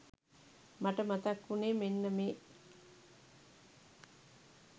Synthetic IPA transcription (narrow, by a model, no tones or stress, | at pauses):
maʈəmat̪akːuneːmenːəmeː